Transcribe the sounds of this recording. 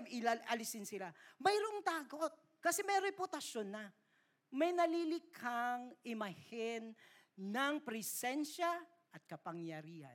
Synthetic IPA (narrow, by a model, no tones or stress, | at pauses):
ɪaʔɐlɪsɪnsɪlamɐjɾoʔoŋt̪aːɡot̪̚ | kɐsɛmɛjɾɛpʊt̪ɐʃonːɐ | mɐjnɐlilɪkʰaŋʔɪmɐhɪn | nɐŋpɾɪsɛnʃa | ʔɐt̪̚kɐpɐŋjɐɾiːhɐ̰